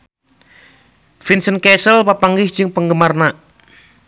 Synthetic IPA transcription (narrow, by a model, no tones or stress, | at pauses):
finsənkɛsəlpapaŋɡɪhd͡ʒɨŋpəŋɡəmarnaʔ